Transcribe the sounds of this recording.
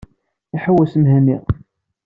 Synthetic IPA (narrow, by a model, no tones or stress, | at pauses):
iħəwːæsəmɦæni